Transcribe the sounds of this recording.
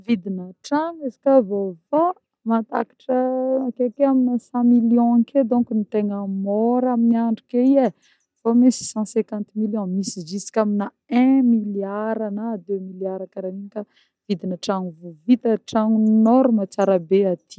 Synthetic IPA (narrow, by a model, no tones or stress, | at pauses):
vid̪inəʈ͡ʂaŋezi̥kʲavofa | mat̪a̰kḁʈ͡ʂəakek̪eaminəsɑ̃miljɔ̃aked̪ɔ̃kinit̪eŋəmɔɾaminiaɳɖ͡ʐukeie | fomisi̥sɑ̃sɛ̃kãnt̪miljɔ̃misid͡ʒisi̥kʲamina | ɛ̃miljaɾanad̪emiljaɾakaɾaminika | v̥id̪inaʈ͡ʂaŋuvuvit̪əʈ͡ʂaŋunɔɾumat͡saɾabeat̪i̥